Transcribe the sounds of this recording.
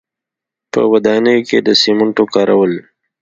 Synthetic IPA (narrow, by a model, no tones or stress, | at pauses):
pə̰wad̪ɑːnəjoked̪əsimʊɳʈokɑːɾʔawəl